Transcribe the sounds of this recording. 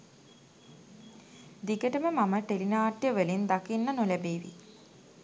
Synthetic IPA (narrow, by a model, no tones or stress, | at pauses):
d̪iɡəʈəməmaməʈelinaːʈjəʋəlind̪akinːənolæbeːʋḭ